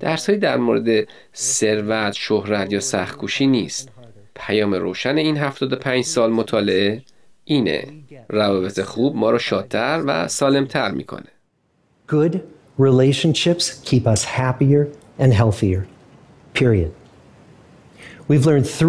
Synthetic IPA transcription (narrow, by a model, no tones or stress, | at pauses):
d̪̥æɾshɒːjiːd̪æɾmoːɾe̞d̪e̞ | se̞ɾvæt̪ʃohɾæt̪ʰjɒːsæxt̪̚kʰuːʃiːniːst̪̚ | pʰæjɒːme̞ɾoːʃæne̞iːnɦæft̪ɒːd̪opʰæːɲd͡ʒsɒːlmot̪ʰɒːleʔe | ʔiːnḛrævɒːbe̞t̪ʰexuːb̚mɒːɾɒːʃɒːd̪̥̚t̪ʰæɾvæ̰sɒːle̞mt̪ʰæɾmḭːkʰo̰ne̥ | ɡ̥ʊd | ɹileɪʃɨ̃nʃɪpskʰipʌshæpiə˞ | ɨ̃nɦɛlˠθiə˞ | pʰɪɹiɨd̥̚ | wivlɜ̃˞nd̪θ